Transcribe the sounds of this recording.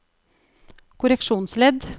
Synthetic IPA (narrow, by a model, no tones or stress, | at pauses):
kʰʊɾɛkʃuːnslɛd̪